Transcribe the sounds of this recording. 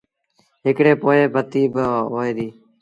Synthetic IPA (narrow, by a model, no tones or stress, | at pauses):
ɦɪkɽeːpoːeːbət̪iːbəɦoːeːd̪iː